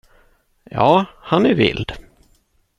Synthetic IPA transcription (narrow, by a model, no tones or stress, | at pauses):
jɑːhanæɾvɪ̰ld̪̥